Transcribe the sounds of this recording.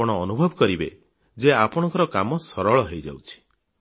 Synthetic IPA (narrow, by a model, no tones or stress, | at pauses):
ɔɽ̃ɔːnubʱɔbɔkɔɾibḛ | d͡ʒeapɔɽ̃ɔŋkɔɾɔkamɔsɔɾɔɭɔɦejd͡ʒa̰wt͡ʃʰi̥